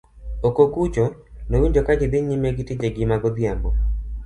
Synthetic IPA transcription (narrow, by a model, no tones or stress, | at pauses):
okokut͡ʃonowiɲd͡ʒokad͡ʒɪd̪ɪɲimeɡɪtid͡ʒeɡɪmaɡɔd̪jambɔ